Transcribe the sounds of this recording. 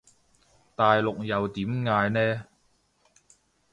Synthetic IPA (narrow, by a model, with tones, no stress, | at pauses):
t̪aː˨jlʊ˨k̚jɐ˨wt̪iː˨˥mŋaː˧jnɛː˥